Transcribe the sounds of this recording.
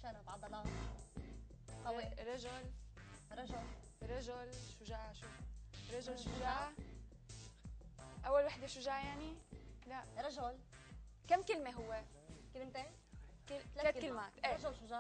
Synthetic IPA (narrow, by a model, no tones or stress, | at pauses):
ʃaɾˤɑbʕɑd̪ɑlɑː | t̪ˤɑiɾˤɑʒʊlɾˤɑʒʊl | ɾˤɑʒʊlʃʊʒaːʕʃuɾˤɑʒʊlʃʊʒaʕ | ʔawːalwaħd̪eʃʊʒaːʕajaʕnilaʔɾˤɑʒʊlkamːkɪlmeɦʊwːe | kɪlmt̪e | kɪlːleːtkɪlmat̪ʔeːʒʊlʃʊʒa